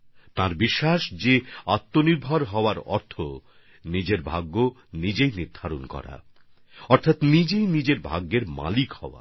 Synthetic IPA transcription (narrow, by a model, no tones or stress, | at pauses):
t̪aɾbiʃːaʃd͡ʑeat̪ːoniɾbʱaɾɦɔoaɾɔ̰ɾt̪ʰo | nid͡ʑeɾbʱaɡːo | nid͡ʑejniɾd̪ʱaɾonkɔ̰ɾa̰ | ɔɾt̪ʰat̪nid͡ʑejnid͡ʑeɾbʱa̰ɡːeɾma̰likhɔoa̰